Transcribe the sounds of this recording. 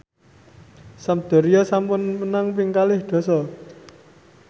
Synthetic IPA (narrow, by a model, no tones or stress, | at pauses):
samd̪̥ɔ̤ɾijɔsampʊnmənaŋpɪŋkalɪhd̪̥ɔ̤sɔ